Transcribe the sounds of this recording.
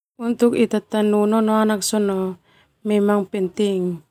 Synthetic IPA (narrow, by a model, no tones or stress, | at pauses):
unt̪ukit̪at̪anunɔnɔanak̚sɔnɔ | mɛmaŋpɛnt̪iŋ